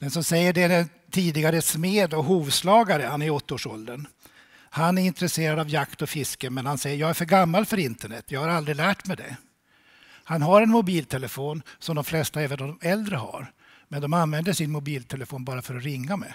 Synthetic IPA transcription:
d̪̥ɛnsɔmsɛjːəɖɛdɛn | t̪ʰiːd̪ɪɡaɾəsmeːd̪ɔɦuːvslɑːɡaɾəhanæɾɔt̪ːaoːʂɔld̪ən | hanæɾɪnt̪ɾɛseːɾad̪avjakt̪ɔfɪskəmɛnhansɛjːəjɑːɡæɾfœɾɡamːalfœɾɪnt̪əɳɛt̪ʰːjɑːɡhaɾald̪ɾɪlæːʈmɛd̪ɛ̰ | hanɦaɾɛnmʊbiːlt̪ʰɛləfoːnsɔmd̪ɔmflɛst̪aɛːvənd̪ɔɛld̪ɾəha̰ɾ | mɛnd̪ɔmanvɛnd̪əʂɪnmʊbiːlt̪ʰɛləfoːnbɑːɾafœɾɔɾɪŋːamɛ̰

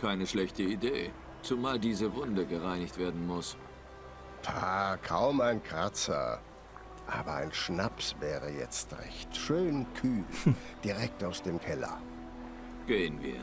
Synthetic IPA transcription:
kʰaɪnəʃlɛçtəideː | t͡sumaːldiːzəvʊndəɡəʁaɪnɪçtv̥eːɐdn̩mʊs | tʰaːkʰaʊmaɪnkʁ̥at͡sɐ̰ | ʔa̰ːbɐa̰ɪnʃnapsvɛːʁəjɛ̰t͡stʁɛ̰çtʃøːnkʰyːld̥iʁɛk̚taʊsd̥eːmkʰɛlɐ̰ | ɡ̥eːənvḭːɐ

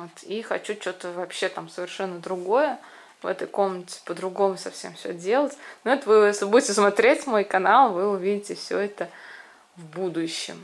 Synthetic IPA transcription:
ot̪ixɐt͡ɕut͡ɕo̞t̪əvɐpɕːe̞t̪amsəvʲɪrʂɛnːəd̪ɾʊɡo̞jə | vɛ̰t̪əjko̞mnətʲɪ̥pəd̪ɾʊɡo̞mʊsɐfsʲe̞mfsʲɵ̰dʲe̞lˠətʲnoɛt̪əvɨjesʲlʲɪbudʲɪtʲɪsmɐt̪ɾʲetʲmo̞jkɐnalˠvɨʊvʲidʲɪtʲɪfsʲɵ̰ɛt̪ə | vbud̪ʊɕːɪ̰m

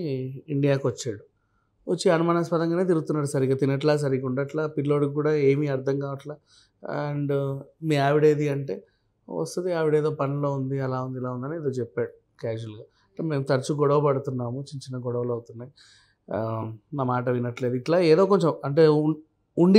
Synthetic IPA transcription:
iɳɖijaːkʋɐt͡ʃːaːɽu | ʋɐt͡ʃːiɐnumaːnaspɐd̪ɐŋɡaːne̞ːt̪̬iɾuɡut̪unːaːɽusɐɾikat̪inɐʈlaːs̬ɐɾikuɳɖɐʈlaːpilːo̞ːɽukːuːɽaːe̞ːmiɐɾd̪ʱɐŋkaːʋɐʈlaː | ɐɳɖmiːaːʋiɽeːd̪iɐɳʈe̞ː | ʋɐ̰st̪ɐt̪iaːʋiɽeːd̪oːpɐnɐlo̞ːund̪iɐlaːund̪ilaːund̪ɐnieːd̪oːt͡ʃɛpːaːɽu | kaːd͡ʒuɐlɡaː | ɐɳʈeːme̞ːmt̪ɐɾt͡ʃuɡɔɽɐʋɐpɐɽut̪unːaːmut͡ʃiɲt͡ʃinɐɡɔɽɐʋɐlɐwut̪unːaːji | naːmaːʈ̬ɐʋinɐʈle̞ːd̪uiʈlaːeːðo̞ːkoɲt͡ʃɐmɐɳʈe̞ː | uɳɖi

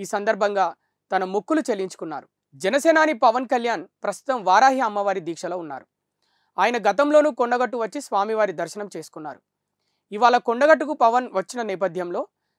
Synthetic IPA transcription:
iːsɐnd̪ɐɾbʱɐŋɡaː | t̪ɐnɐmukːulut͡ʃelːiɲt͡ʃu̥kunːa̰ːɾu | d͡ʒɛnɐsɛːnaːnipɐʋɐnkɐljaːnpɾɐst̪u̥t̪ɐmʋaːɾaːɦiɐmːɐʋaːɾid̪iːkʂɐloːunːa̰ːɾu | aːjɐnɐɡɐt̪ɐmlo̞ːnukoɳɖɐɡɐʈːuʋɐt͡ʃːisʋaːmiʋaːɾid̪ɐɾʃɐnɐmt͡ʃe̞ːsu̥kunːa̰ːɾu | iʋaːɭɐkoɳɖɐɡɐʈ̬ːukupɐʋɐnʋɐt͡ʃːinɐnɛːp̬ɐd̪ʱjɐmlo̞ː

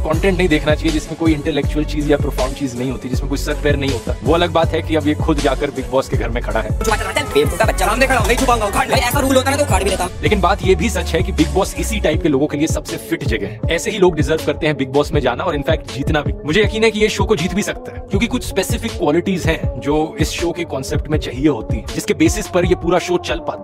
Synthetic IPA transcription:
kɔ̃ːɳʈɛ̃ːɳʈnɐɦĩd̪eːkʰnat͡ʃaːɦijed͡ʒɪsmẽkoːiɪ̃ɳʈɛlɛːk̚t͡ʃuəlt͡ʃiːzjapɾoːfʰɔːɾmɖt͡ʃiːznɐɦĩɦoːt̪id͡ʒɪsmẽkoːisɐɾkpɛːəɾnɐɦĩɦoːt̪aʋoɐləɡ̚baːt̪ɦɛkiɐbjexʰʊd̪d͡ʒaːkɐɾbɪɡ̚bɔːskeɡʱɐɾmẽkʰɐɽa̰ɦɛːt͡ʃumaaɾat̪abeːmoːt̪abɐtːʃaɐ̃md̪ekʰaɐit͡ʃʰupaɡakaːɽbɐiɛːsaɾuːlɦoːt̪aɛ̃t̪okʰaːɽbilet̪aleːkɪnbaːt̪jebʱisɐt͡ʃɦɛkibɪɡ̚bɔːsɪsiʈaːɪp̚keloːɡõkeliesɐbsefɪʈd͡ʒɐɡɛ̰ɦɛ̃ɛːseɦiloːɡɖɪzəɾʋkɐɾt̪ẽɦɛ̃bɪɡ̚bɔːsmẽd͡ʒaːnaɔːɾɪnfɛːk̚ʈ̚d͡ʒiːt̪nabʱimʊd͡ʒʱejɐkiːnɦɛkijeʃoːkod͡ʒiːt̪bʱisɐk̚t̪aɦɛɛːkjõːkikʊt͡ʃʰspeːsɪfɪkːwɔːlɪʈiːzɦɛ̃d͡ʒoːɪsʃoːkekɔ̃ːnseːp̚ʈmẽt͡ʃɐɦieɦoːt̪iɦɛ̃d͡ʒɪskebeːsɪspɐɾjepuːɾaʃoːt͡ʃɐlpaːt̪ː

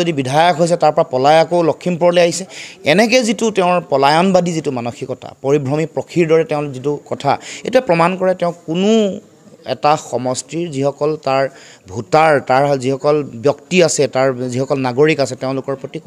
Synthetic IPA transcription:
odibidʱajɔkɦojs̬ɛtaɹpɔɹapɔlajakolɔkʰːimpɔɹlejaɦisɛɛnɛkɛzitʊtɛʊ̃ɹpɔlajɔnbadʱizitumanɔxikɔtʰa̰poɹibʱɹɔmipɹɔkʰiɹdɔɹɛtɛʊ̃lzitukɔtʰa̰etujɛpɹɔmankɔɹɛtɛʊ̃kʊnʊ | ɛ̰taxɔmɔstiɹzixɔkɔltaɹ | bʱutaɹtaɹzihɔkɔlbjɔktiasɛtaɹzihɔkɔlnaɡoɹikasɛteʊ̃lʊkɔɹpɹɔtik

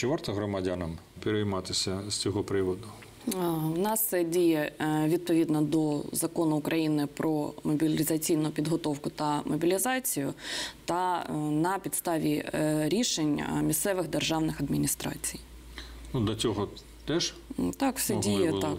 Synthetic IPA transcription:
t͡ʃɪʋɑrt̪ɔɦɾɔmɐdʲanɐm | pʲɪɾejmɑt̪ɪsʲɐz̥t͡sʲɔɦɔpɾɪʋɔd̪ʊ | wnɑst̪sɛdʲijɛʋʲid̪̚pɔʋʲid̪nɐd̪ɔzɐkɔnʊːkɾʔɐjinɪpɾɔmɔbʲilʲɪzɐt͡sʲijnʊʊpʲid̪ɦɔt̪ɔwkʊt̪ɐmɔbʲilʲizɑt͡sʲijʊ̰t̪ɐnɐpʲid̪st̪ɑʋʲiɾʲiʃenʲmʲist̪sɛʋɪxd̪erʒɑwnɪxɐd̪mʲinʲist̪ɾɑ̰t͡sʲij | nud̪lʲɐt͡sʲɔɦɔ | t̪ɛʃ | t̪ɑkfsɛdʲijɛt̪ɑk

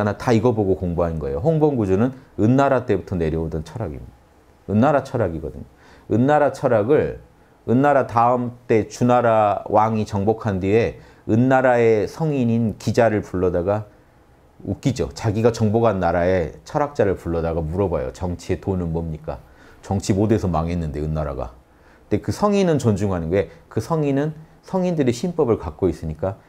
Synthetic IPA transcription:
anataiɡʌboɡokoŋboɦannɡʌe̞joɦoŋbʌŋɡud͡ʑunɯnɯnːaɾat͈e̞butʰʌne̞ɾjʌodʌnt͡ɕʰʌɾaɡḭm | ɯnːaɾat͡ɕʰʌɾaɡiɡʌ̰dɯɲo | ɯnːaɾat͡ɕʰʌɾaɡɯɭ | ɯnːaɾataɯmt͈e̞t͡ɕunaɾawaŋit͡ɕʌŋbokʰandie̞ | ɯnːaɾae̞sʰʌŋiɲinkid͡ʑaɾɯɭpuɭːʌdaɡa | uk͈id͡ʑo̰t͡ɕaɡiɡat͡ɕʌŋboɡanːaɾae̞t͡ɕʰʌɾak̚t͡ɕ͈aɾɯɭpuɭːʌdaɡamuɾʌba̰jo̰t͡ɕʌŋt͡ɕʰie̞tonɯnmʌmɲik͈a̰ | t͡ɕʌŋt͡ɕʰimode̞sʰʌmaŋɦe̞nːɯnde̞ɯnːaɾa̰ɡa̰ | tekɯsʰʌŋinɯnt͡ɕʌnd͡ʑuŋɦanɯnɡe̞kɯsʰʌŋinɯn | sʰʌŋindɯɾeɕʰinp͈ʌbɯɭkak̚k͈ois͈ɯɲik͈a

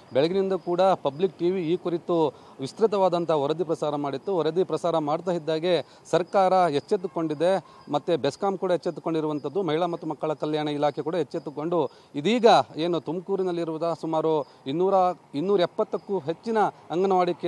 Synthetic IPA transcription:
bɛɭɐɡinind̪ɐkuːɽɐpɐblik̚ʈiːʋiːkuɾit̪u | ʋist̪ɾit̪̬ɐʋaːd̪ɐnt̪ɐɔɾɐd̪ipɾɐsaːɾɐmaːɽit̪ːuɔɾɐd̪ipɾɐsaːɾɐmaːɽt̪aːɦid̪ːaːɡe̞ | sɐɾkaːɾɐɦet͡ʃːet̪ːuko̞ɳɖid̪e̞ | mɐt̪ːebeskaːmkuːɽɐɦet͡ʃːet̪ukoɳɖiɾuʋɐnt̪ɐd̪ːumɐɦiɭɐmɐt̪ːumɐkːɐɭɐkɐljaːɳɐilaːkʰekuːɽɐɦet͡ʃːet̪ːuko̞ɳɖu | id̪iːɡɐe̞ːnut̪umkuːɾinɐlːiɾuʋud̪ɐsumaːɾu | inːuːɾɐinːuːɾɐepːɐt̪ːɐkːuɦe̞t͡ʃːinɐːŋɡɐnɐʋaːɽikːe

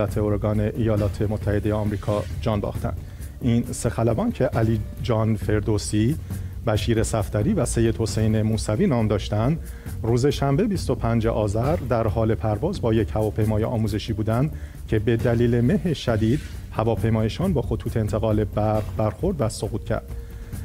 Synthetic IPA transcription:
æt̪ʰeoɾoɡɒːne̞ʔijɒːlɒːt̪ʰe̞mot̪ʰːæhe̞d̪e̞jeɒmɾiːkʰɒːd͡ʒɒːnbɒ̰ːxt̪æ̰nd̪̥ | iːnse̞xælæbɒːncʰe̞ʔæliːd͡ʒɒːnfe̞ɾd̪osibæʃiːɾe̞sæft̪æɾiːvæse̞jːed̪̥ho̞se̞jne̞muːsæviːnɒːmd̪ɒːʃt̪ænd̪ | ruːze̞ʃæmbe̞bist̪o̞pʰænd͡ʒeʔɒːzæɾd̪æɾɦɒːle̞pʰæɾvɒːzbɒːje̞chævɒːpʰe̞jmɒːjeʔɒːmuːze̞ʃiːbuːd̪ænd̪ | cʰe̞be̞d̪æliːleme̞ɦeʃæd̪iːd̪̥hævɒːpʰe̞jmɒːjeʃɒːnbɒːxo̞t̪ʰuːt̪ʰeːnt̪ʰe̞ɣɒːle̞bæɾʁbæɾxo̞ɾd̪væso̞ɣuːt̪̚cʰæ̰ɾd̪̥

